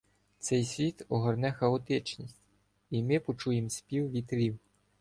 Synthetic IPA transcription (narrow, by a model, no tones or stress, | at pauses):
t̪sɛjsʲʋʲit̪ɔɦɔrnɛxɐɔt̪ɪt͡ʃnʲisʲtʲ | imɪpɔt͡ʃujemsʲpʲiwʋʲit̪lʲiw